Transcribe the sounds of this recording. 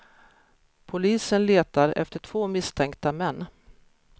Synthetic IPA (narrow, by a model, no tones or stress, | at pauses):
pʰʊliːsənleːt̪aɾɛ̰ft̪əʈʰv̥oːmɪst̪ʰɛŋk̚t̪amɛnː